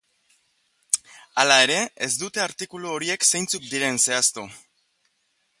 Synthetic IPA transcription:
alae̞ɾe̞ezd̪ut̪e̞aɾt̪ikuluoɾie̞kse̞jnt͡suk̚d̪iɾe̞nse̞ast̪u

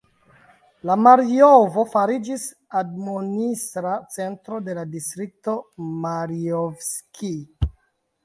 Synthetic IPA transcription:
lamaɾijovo̞faɾid͡ʒis | admonisɾat͡se̞ntɾo̞de̞ladistɾik̚to̞maɾiovskʰi

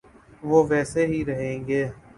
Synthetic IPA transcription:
ʋoːʋɛːseɦiɾəɦẽːŋɡeː

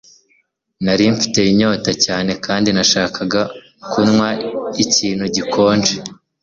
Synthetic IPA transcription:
naɾiɱfi̥te̞iɲo̞ːtacaːne̞kaːndinaʃaːkʰaɡa | kunŋwaiciːnhuɟikʰo̞ːnd͡ʒe

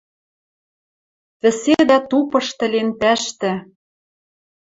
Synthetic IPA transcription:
βɘ̆sed̪æt̪upɤ̆ʃt̪ɘ̆lent̪æʃt̪ɘ̆

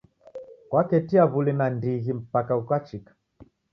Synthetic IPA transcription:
kwakɛtiaβulinandiɣim̩pakaukat͡ʃikḁ

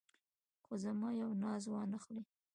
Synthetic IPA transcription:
xozamɑjawnɑzwɑnəxli

